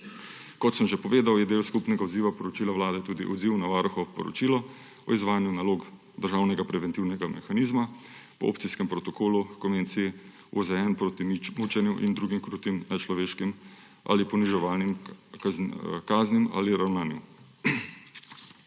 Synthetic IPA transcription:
kɔt̪səmʒepɔʋeːd̪awjɛd̪eːlskupnɛɡaɔd̪ziːʋapɔɾɔt͡ʃiːlawlaːd̪ɛt̪uːd̪iʔɔ̰d̪ziwnaʋaːɾuxɔʋɔpɔɾɔ̰t͡ʃiːlɔ | ɔizʋaːjnjunaloːɡ | d̪əɾʒaːwnɛɡapɾɛʋɛnt̪iwnɛɡamɛxaniːzmapɔo̰ːpt̪siskɛmpɾɔt̪ɔkoːlukɔnʋent̪sii | ozɛɛnpɾot̪imut͡ʃɛnjuʔḭnd̪ɾuːɡimkɾuːt̪imɛt͡ʃlɔʋeːʃkim | ʔa̰lipɔniʒɛʋaːlnim | kaːznima̰liɾawnaːnju

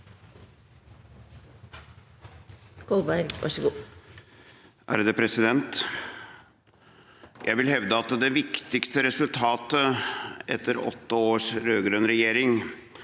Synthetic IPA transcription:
kʰɔlbæɪɾɡʋʔɑ̰ʂɡuː | æ̰ːɾəd̪ɛːpʰɾɛsɪd̪ɛnt̪ | jʔæ̰ɪʋɪlhɛʋd̪əɑt̪d̪ɛʋɪkt̪ɪkst̪əɾɛsʉlt̪ʰɑːt̪əɛ̰t̪ːəɾɔ̰t̪ːəoːʂɾøːɡɾœnɾɛjeːɾɪŋ

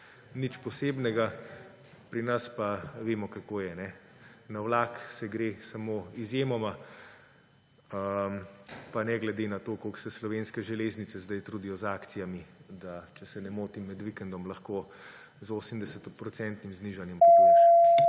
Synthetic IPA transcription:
nit͡ʃpɔseːbnɛɡa | pɾinɐspaʋeːmɔkakoːjɛnɛnawlaksɛɡɾesamoizjeːmɔma | mpanɛɡlɛd̪enat̪okoksɛslɔʋenskɛʒɛleːznitsɛzd̪ajt̪ɾud̪ijɔzaːkt̪sijamid̪at͡ʃɛsɛnɛmoːt̪imːɛd̪ʋikɛnd̪ɔmlɐxko | zoːsəmd̪ɛsɛt̪pɾɔt̪sɛnt̪nimzniʒanjɛmpoo

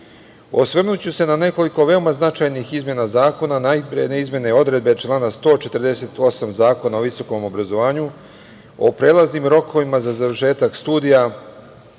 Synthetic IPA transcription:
osʋr̩nut͡ɕuse̞nane̞ko̞liko̞ʋe̞o̞maznat͡ʃajnixizmʲje̞nazaːko̞nanapɾeneizmje̞neo̞d̪ɾe̞d̪̚be̞t͡ʃlˠaːnast̪o̞ːt͡ʃe̞t̪rd̪e̞se̞t̪o̞samzaːko̞naoʋiso̞ko̞mo̞bɾazo̞ʋaːɲu | o̞̰pɾe̞ːlˠaznimɾo̞ko̞ʋimazazaʋr̩ʃe̞ːt̪akst̪uːd̪ija

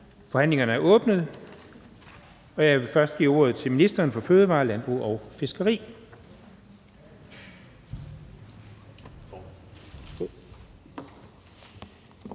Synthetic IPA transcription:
fɒ̽hæn̰le̝ŋɐnəæɐʔɔ̽ːb̥nəð̞̩ˠ | ɒ̽jɑ̈ɪʋe̝fɶɐsd̥ɡ̥ḭːo̝̰ːɐð̞̩ˠt͡sʰe̝lminisd̥ɐːnfɒ̽føːð̞ˠəʋɑ̈ːlænb̥ʁṵɒʊfe̝sɡ̥ɐʁḭː

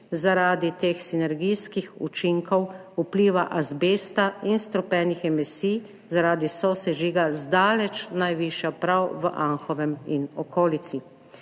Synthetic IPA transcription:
zaɾaːd̪it̪eːxsinɛɾɡijskixṵt͡ʃiŋkɔwupliːʋaʔazbeːst̪ainst̪ɾɔpɛnixɛmisi | zaɾaːd̪isɔsɛʒiːɡazd̪aːlɛt͡ʃnajʋiʃjapɾawʋəʔãŋxɔʋɛminɔkʰoːlit̪si

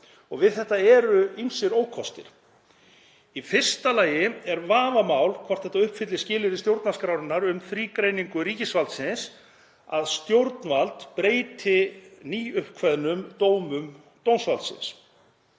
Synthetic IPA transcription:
ɔɣvɪðθɛht̪aɛɾʏinsɪɾoːwkʰɔst̪ɪ̰ɾ̥ | ifɪr̥st̪alaːjɪɛɾvaːvamaːwlkʰvar̥θɛht̪aʏhpfɪt̪lɪscɪːlɪɾɪst̪jowɾt̪naskɾawɾɪnːaɾʏmθɾiːkɾejniŋkʏɾiːcɪsvalt̪sɪns | a̰ðst̪jowɾt̪nvalt̪pɾeːjt̪ʰɪniːʏhkʰvɛðnʏmt̪owmʏm | t̪ownsvalt̪sɪ̰ns

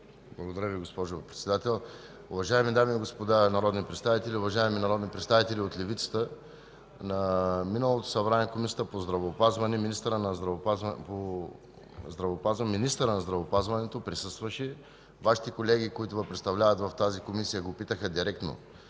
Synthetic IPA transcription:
blˠɐɡod̪ɐɾʲəviɡospɔʒʊpɾɛt̪sɛd̪at̪ɛlˠ | ʊvɐʒaɛmid̪amiːɡospod̪anɐɾɔd̪nipɾɛt̪st̪avit̪ɛlʲiʊvɐʒaɛminɐɾɔd̪nipɾɛt̪st̪avit̪ɛlʲiot̪lʲɛvit̪sə̥t̪ə | nɐminəlˠot̪o̥sɐbɾanɛkomisiəəpozd̪ɾɐvoːpazvɐnɛminist̪əɾənɐzɾɐpapo | zd̪ɾɐvoːpazminist̪əɾənɐzd̪ɾɐvopazvɐnɛt̪opɾisɤst̪vɐʃɛ | vaʃi̥t̪ɛkolɛɡ̟ikoit̪ʊvɐpɾɛt̪st̪ɐvlʲavɐt̪vɐft̪azikomisijəɡopit̪əxəd̪iɾɛk̚t̪no̰

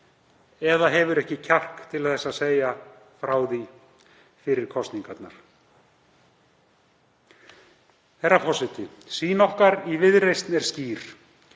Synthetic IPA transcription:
ɛðaɦɛvʏɾɛhcɪcʰar̥kt̪ʰɪlθɛsːaðseːja | fɾaːwði | fɪɾɪɾ̥kʰɔst̪niŋkat̪naɾ̥ | θɛɾafɔsɪt̪ɪsiːnɔhkaɾivɪðrejst̪nɛɾ̥sciːɾ̥

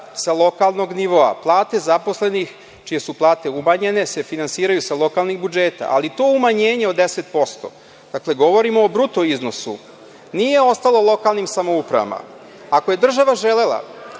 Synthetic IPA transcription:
salˠo̞kalˠno̞ɡniʋo̞a̰plˠaːt̪e̞zapo̞sle̞nix | t͡ʃije̞suplˠaːt̪e̞umaɲe̞ne̞se̞finansiːɾajusalˠo̞kalˠniɣbud͡ʒeːt̪a̰ʔa̰lit̪oːumaɲeːɲe̞od̪ese̞t̪̚po̞st̪o̞̰ | d̪̥akle̞ɡo̞ʋo̞ɾimoːbɾut̪oiznosṵ | nije̞o̞st̪alˠo̞lˠo̞kalˠnimsamoupɾa̰ʋa̰ma̰ | ako̞je̞d̪r̩ʒaʋaʒele̞lˠa̰

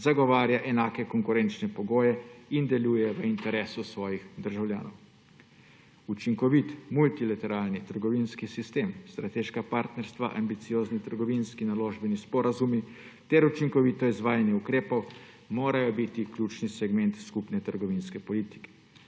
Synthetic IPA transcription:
zaɡɔʋaːɾjaʔɛnaːkɛkɔŋkuɾɛnt͡ʃnɛpɔɡoːjɛind̪ɛljuːjɛʋəint̪ɛɾɛːsusʋɔːjixd̪əɾʒawlʲja̰ːnɔw | ut͡ʃiŋkɔʋit̪mult̪ilat̪ɛɾaːlnit̪əɾɡɔʋinskisist̪emst̪ɾat̪eʃkapaɾt̪nɛɾst̪ʋa̰ʔa̰mbit̪sijoːznit̪əɾɡɔʋinskinaloːʒbɛnispɔɾazumi | t̪ɛɾut͡ʃiŋkɔʋit̪ɔizʋaːjanjɛukɾeːpɔw | moːɾajɔbit̪ikljuːt͡ʃnisɛɡmɛnt̪skupnɛt̪əɾɡɔʋinskɛpɔliːt̪i̥kɛ̥

